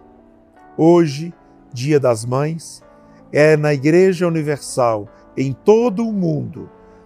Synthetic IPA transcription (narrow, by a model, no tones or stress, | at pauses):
oʒɪ | d͡ʒiɐd̪ɐzmɐ̃j̃s | ɛnɐiɡɾeʒɐuniveɾsaw | ẽj̃t̪od̪ʊːmũnd̪ʊ̰